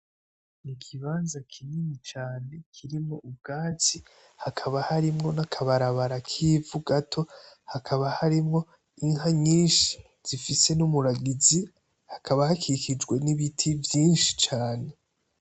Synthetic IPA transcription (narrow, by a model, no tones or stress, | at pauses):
nikʰiβaːnzakʰininit͡ʃaːne̞kʰiɾimŋo̞ʔub̚ɡaːt͡si | hakʰaβahaɾimŋo̞nakʰaβaɾaβaɾakʰiːvuɡatʰo̞hakʰaβahaɾimŋo̞ | iŋɦaɲiːnʃi̥ | z̥ifise̞numuɾaɡizi | hakʰaβahakikid͡ʒɡwe̞niβitʰivjiːnʃi̥t͡ʃaːne̞